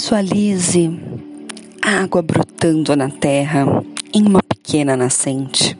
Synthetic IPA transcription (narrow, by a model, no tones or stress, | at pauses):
sualizɪ | aɡwɐbɾut̪ɐ̃nd̪ʊnɐt̪ɛɦɐẽj̃ũmɐpe̥kʰẽnɐnasẽnt͡ʃɪ̥